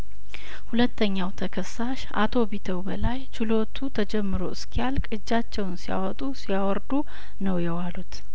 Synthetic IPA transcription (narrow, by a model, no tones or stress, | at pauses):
hulət̪ʰːəɲːawt̪ʰəkʰəsːaʃʔa̰t̪ʰo̞bit̪ʰəwbəlajt͡ʃɪlo̞t̪ʰut̪ʰəd͡ʒɛmːɨɾo̞ɨskʰialkʼɨd͡ʒːat͡ʃːɛwnsija̰wɔt̪ʼusijawɔɾd̪u | nəwjɛwalut̪